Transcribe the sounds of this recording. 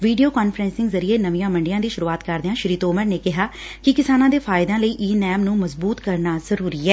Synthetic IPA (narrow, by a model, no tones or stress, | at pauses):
ʋiːɖijoːkaːnfɾɛ̃ːnsɪ̃ŋɡzəɾieːnəʋĩjãːmə̃ɳɖɪjãːd̪iːʃʊɾuːaːt̪kəɾd̪eãːʃɪɾiːt̪oːməɾneːkɪɦaː | kɪkɪsaːnãːd̪eːfʰaːɪd̪ãːləiːʔiːnɛːmnũːməzbuːt̪kəɾnaːzəɾuːɾiːɛː